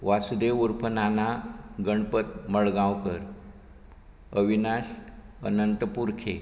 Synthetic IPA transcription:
ʋasud̪eʋuɾpʰənanaɡəɳpət̪̚məɭɡãwkəɾ | əʋinaɕə̰nənt̪əpuɾkʰe

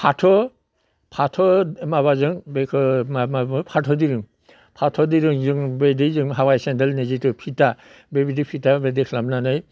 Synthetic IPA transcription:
pʰatʰɔ | pʰatʰɔmaβazɯŋbekʰɯmabpʰatʰɔdiɾɯŋ | pʰatʰɔdiɾɯŋzɯŋbedizɯŋɦawajsendelnezitɯpʰita | bebidipʰitabedekʰlamnanaj

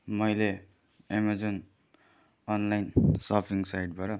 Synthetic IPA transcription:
mʌjle | emad͡zon | ʌnlajnsʌpʰiŋsajʈ̚bʌɾʌ

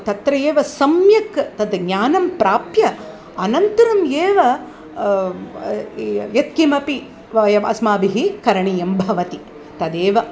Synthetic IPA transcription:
t̪ɐt̪ɾɐjeːʋɐsɐmjɐkt̪ɐd̪ɡɲaːnɐmpɾaːpjɐ | ɐnɐnt̪ɐɾɐmjeːʋɐ | jɐt̪̚kimɐpi | ʋɐjɐmɐ̰smaːbiɦikɐɾɐɳijɐmbʱɐʋɐt̪i | t̪ɐd̪eːʋɐ

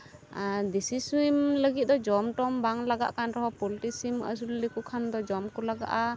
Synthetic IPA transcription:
d̪isisimləɡit̪̚d̪ɔd͡ʒɔmʈɔmbaŋlaɡa̰ʔkanɾɔɦɔpɔliʈisimə̰s̬ullikukʰand̪ɔd͡ʒɔmkɔlaɡa̰ʔa

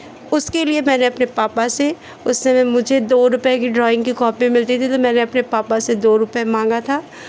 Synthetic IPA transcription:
ʊskeliemɛ̃ːneɐpnepaːpase | ʊsmemɛ̃mʊd͡ʒʱed̪oːɾʊpkiɖɾɔːɪ̃ŋɡkikɔːpĩmɪlt̪it̪ʰit̪omɛːneɐpnepaːpased̪oːɾʊpmãːŋɡat̪ʰaː

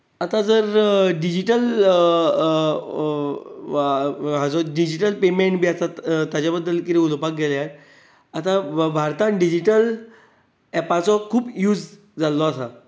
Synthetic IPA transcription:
at̪ad͡zəɾɖid͡ʑiʈəl | ɦad͡zɔɖid͡ʑiʈəlpemeɳʈbiːasat̪jad͡ʑabəd̪ːəlkiɾiulpak̚ɡelaɾ | at̪abʱaɾt̪anɖid͡ʑiʈəl | ɛpat͡sɔkʰuːpjuːd͡z | d͡zalːɔasa

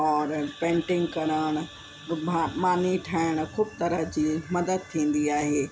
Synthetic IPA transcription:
ɔːɾpẽːɳʈɪ̃ŋɡkɐɾəɽ̃ʊ̆ | amaːniʈʰaːɪɽ̃ʊ̆kʰuːbt̪ɐɾəd͡ʑiːmɐd̪əd̪̚t̪ʰĩːn̆d̪iaːɦeː

